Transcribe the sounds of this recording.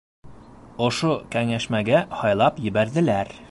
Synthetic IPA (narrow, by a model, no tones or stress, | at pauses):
ŏʃokæŋæʃmæɡæhɒjlˠɑpjɘ̆bæɾd̪ɘ̆læɾ